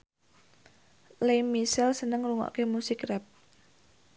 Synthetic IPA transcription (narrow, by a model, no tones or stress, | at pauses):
lemisɛlsənəŋɾuŋɔ̰ʔkemusɪkrɛp̚